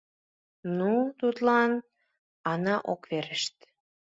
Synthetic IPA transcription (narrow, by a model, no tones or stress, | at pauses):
nut̪ut̪lɑn | ɑnɑʔokveɾəʃt̪